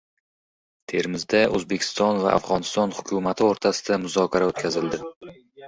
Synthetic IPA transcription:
t̪ʰe̞ɾmɪzd̪aʔɵzbe̞kʲʰɪ̥st̪ɒnva̰ʔa̰fʁɒnɪst̪ɒnhʊ̥kʲʰʊmat̪ʰɪoɾt̪ʰasɪd̪amʊzɒkʰʲaɾaot̪kʲʰazɪld̪ɪ

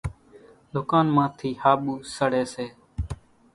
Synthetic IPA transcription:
ɗ̪ʊkaːnmãːt̪ʰiːhaːɓuːsəɽeːseː

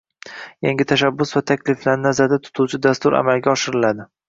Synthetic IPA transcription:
jaŋɡʲɪt̪ʰaʃabːʊsvat̪ʰakʲlɪflaɾnazaɾd̪at̪ʰʊ̥t̪ʰuwt͡ʃʰɪd̪ast̪ʊɾa̰malɡʲaɒʃɪɾɪlad̪ɪ

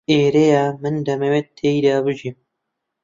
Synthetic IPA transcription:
eːɾejaːmɨnd̪ɐmewett̪ʰːeːid̪aːbɨʒim

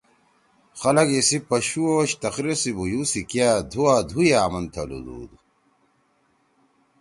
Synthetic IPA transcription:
xɐlɐɡisipɐɕuoːɕt̪ɐxɾiɾsibujuːsikijaːd̪ʱuaːd̪ʱujaːmɐnt̪ʰɐ̰lṵd̪ṵːd̪u

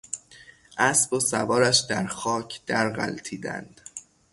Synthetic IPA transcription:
ʔæsbosævɒːɾæʃd̪æɾxɒːcʰd̪̥æɾɢæ̰lt̪ʰiːd̪æ̰nd̪̥

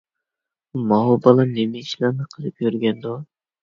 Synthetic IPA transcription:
mɑɦubɑlˠɑnemɪiʃlɑɾnɨqʰəlˠɨp̚jøɾɡʲɛnd̪u

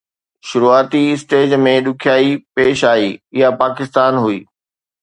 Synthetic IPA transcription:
ʃʊɾuaːt̪iɪsʈeːd͡ʑmẽɗʊkʰjaːipeːʃaːɦiːɪɦapaːkɪst̪aːnɦuḭː

